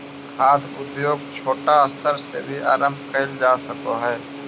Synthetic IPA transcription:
kʰaːd̪ʊd̪joːɡ̚t͡ʃʰoːʈaəst̪ʰəɾsḛbʱiʔa̰ːɾə̃mb̚ʱkɐɦɪld͡ʒaːsəkoɦɛː

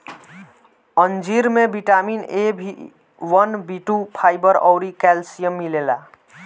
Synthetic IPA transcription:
ənd͡ʒiɾmebiʈaminebʱi | wənbiʈupʰajbəɾɔ̰wɾikɛlsijəmːilela

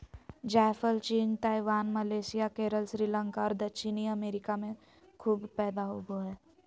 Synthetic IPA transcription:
d͡ʒɛːfəlt͡ʃiːnt̪aːiʋaːnmɐleːsɪjakeːɾəlsɾiːlə̃ŋkaɔːɾd̪ɐt͡ʃʰiniɐmeːɾɪkamẽ | kʰuːbpɛːd̪aɦoboɦɛː

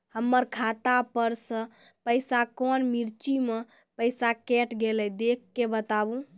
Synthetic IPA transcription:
həmːəɾkʰat̪apəɾsə̃ | pəjsakɔnmiɾt͡ʃime | pəjsakɛʈɡelɛd̪ekːebət̪abũ

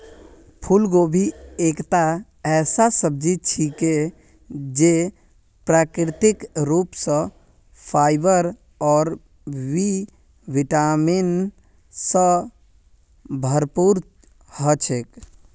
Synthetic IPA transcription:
pʰulɡobʱiekt̪a | ɛːsasəb̚d͡ʒit͡ʃʰike | d͡ʒe | pɾakɾɪt̪ikɾupsə̃ | pʰaɪbəɾ | ɔːɾ | ʋi | ʋiʈamin | sə̃ | bʱəɾpuɾ | hət͡ʃʰek

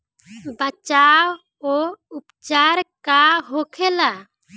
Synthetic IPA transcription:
bət͡ʃaw | oupt͡ʃaɾkaɦokʰɛla

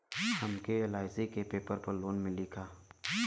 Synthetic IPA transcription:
hɐmkelaːɪzikepeːpəɾpəɾloːnmɪlikʰaː

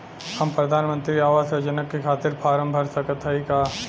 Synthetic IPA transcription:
hɐmpɾɐd̪ʱaːnmə̃nt̪ɾiaːʋaːsɾɐd͡ʒənəkːekʰaːt̪ɪɾpʰaːɾə̃mbʱəɾsɐkət̪ʰɦɐikaː

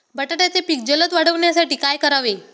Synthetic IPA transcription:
bəʈaʈjat͡sepik̚d͡ʑələt̪ʋaɽ̤əʋɳjasaʈiːkajkəɾaʋe

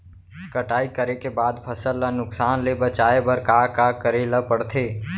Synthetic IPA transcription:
kəʈaːikəɾekebaːd̪pʰəsəlːənʊksaːnlebət͡ʃaːebəɾkakakəɾeləpəɽt̪ʰeː

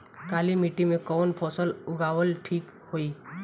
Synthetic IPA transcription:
kaːlimiʈimẽkɔːnpʰɔsəlʊɡawəlʈʰiːk | hoi

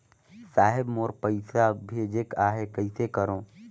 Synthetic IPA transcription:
saːɦɪbmoːɾpəɪsabʱeːd͡ʒekaːɦekɐɪsekəɾõː

